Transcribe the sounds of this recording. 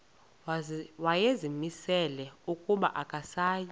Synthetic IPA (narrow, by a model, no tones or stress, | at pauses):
wajezimisɛlɛukʼuɓa̰ʔakʼasaːji